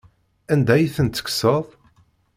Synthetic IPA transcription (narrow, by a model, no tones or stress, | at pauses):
ænd̪æjθənt̪ːə̥ksəðˤ